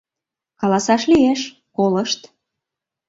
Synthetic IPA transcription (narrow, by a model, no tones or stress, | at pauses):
kɑlɑsɑʃlieʃ | koləʃt̪